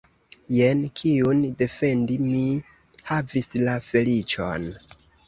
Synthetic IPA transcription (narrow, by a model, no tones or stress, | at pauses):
jenkʰiunde̞fe̞ndimi | havislafe̞lit͡ʃo̞̰n